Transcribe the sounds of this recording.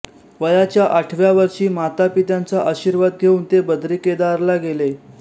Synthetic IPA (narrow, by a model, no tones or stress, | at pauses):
ʋəjat͡ɕjaʔaʈʰʋjaʋəɾʂiːmat̪apit̪jant͡saʔəɕiɾʋad̪̚ɡʱeuːnt̪ebəd̪ɾiked̪aɾlaɡele